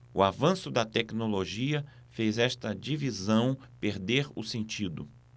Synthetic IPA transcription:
ʊavɐ̃sʊd̪ɐt̪ɛknoloʒiɐ | fejzɛst̪ɐd͡ʒivizɐ̃w̃ | peɾd̪eɾʊ̰sẽnt͡ʃid̪ʊ

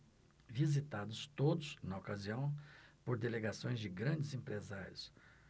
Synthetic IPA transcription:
vizit̪ad̪ʊst̪od̪ʊsnɐokaziɐ̃w̃poɾd̪eleɡasõj̃zd͡ʒɪɡɾɐ̃d͡ʒɪzẽmpɾezaɾjʊs

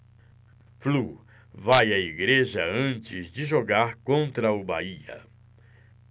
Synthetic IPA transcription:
flu | vajɐiɡɾeʒɐɐ̃nt͡ʃɪzd͡ʒɪʒoɡaɾkõnt̪ɾɐʊba̰iɐ̰

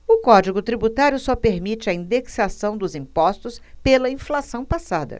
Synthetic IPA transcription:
ʊkɔd͡ʒiɡʊt̪ɾibut̪aɾjʊsɔpeɾmit͡ʃɪɐĩd̪eksasɐ̃w̃d̪ʊzĩpɔst̪ʊspelɐĩflasɐ̃w̃pasad̪ɐ̰

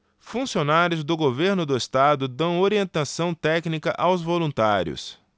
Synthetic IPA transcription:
fũsionaɾjʊzd̪ʊɡoveɾnʊd̪ʊest̪ad̪ʊd̪ɐ̃w̃oɾiẽnt̪asɐ̃w̃t̪ɛknikɐʔawzvolũnt̪aɾjʊ̰s

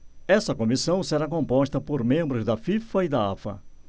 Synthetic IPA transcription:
ɛsɐkõmisɐ̃w̃seɾak̬õmpɔʃt̪ɐpoɾmẽmbɾʊzd̪ɐfifɐid̪ɐa̰fɐ̰

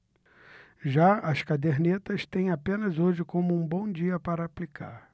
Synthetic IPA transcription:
ʒaɐskad̪eɾnet̪ɐst̪ẽj̃apẽnɐzoʒɪkõmʊũbõw̃d͡ʒiɐpaɾɐaplikʰa̰ɾ

